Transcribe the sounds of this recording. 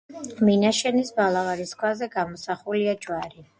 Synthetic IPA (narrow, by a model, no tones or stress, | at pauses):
minaʃɛnisbalˠavaɾiskʰwazɛɡamɔsaχuliad͡ʒwaɾi